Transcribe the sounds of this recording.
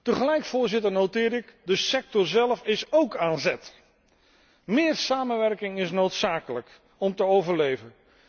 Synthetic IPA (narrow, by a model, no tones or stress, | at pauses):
təχəlɛjkfʊːɹzɪtəɹnowtɪːɾɪkdəsɛk̚tɔɹzɛlˠfɪsowkaːnzɛt | mɪːrsaːmənʋɛrkɪŋɪsnowtsaːkələk | ɔmtəowvəɹlejvən